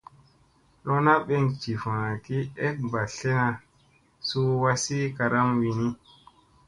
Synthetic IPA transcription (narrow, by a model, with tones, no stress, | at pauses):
lɔ˦na˦ɓɛ˦ŋt͡ʃi˨fãː˨ki˦ɛ˦ba˨ɬɛ˦na˨ | su˦wa˦si˦ka˨ɾa˦mwi˨ni˦